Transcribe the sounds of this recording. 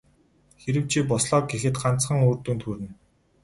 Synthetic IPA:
xeɾɘ̆w̥t͡ɕʰipɔsɮɔːk̚ɡexɘ̆t̪̚ɢan̥t͡sχə̆ŋoːrt̪uːnt̪ʰxuɾɘ̆n

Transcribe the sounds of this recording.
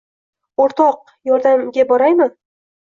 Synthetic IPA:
oɾt̪ɒq̚ | jɒɾd̪amɡʲabɒɾajmɪ

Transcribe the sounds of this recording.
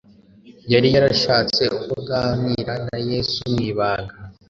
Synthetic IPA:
jaɾijaɾaʃaːt͡se̞ukoɡaːmiɾanaje̞ːsumŋiːβaːɡa

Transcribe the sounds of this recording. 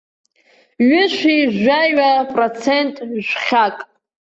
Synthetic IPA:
ɥʊʃʷiʒʷaɥapʼrot͡sʰentʼʒʷχʲakʼ

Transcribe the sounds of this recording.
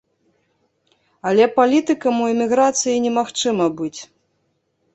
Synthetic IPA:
ɐlʲɛpalʲit̪ɨkɐmuɛmʲiɣɾat̪sɨjinʲɛmaxt͡ʂɨmɐbɨt͡sʲ

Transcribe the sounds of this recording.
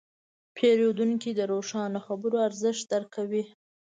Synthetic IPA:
pʰeɾod̪uŋkid̪əɾoʂɑnoxabəɾoaɾzəʃt̪̚d̪əɾkʰawi

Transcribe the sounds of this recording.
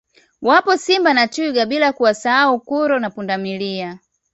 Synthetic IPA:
wapɔsimbanatuɡaɓilakuwasaaukuɾɔnapundamilia

